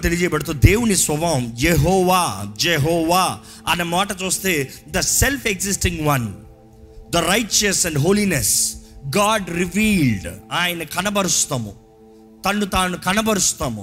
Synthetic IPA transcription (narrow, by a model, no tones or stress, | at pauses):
t̪eliɐd͡ʒɛːjɐbɐɽɐt̪uːd̪eːwunisʋɐʋɐmjeɦɔːʋaːd͡ʒeɦɔːʋaː | ɐ̰nɐmaːʈɐt͡ʃuːst̪eː | d̪ɐselpʰeɡsisʈĩŋɡʋɐn | d̪ɐɾɐjt͡ʃɐsɛ̃ɳɖɦoːlinesɡaːɖɾiʋiːlɖaːjɐnɐkɐnɐbɐɾust̪ɐmṵ | t̪ɐɳːut̪aːnukɐnɐbɐɾust̪amṵ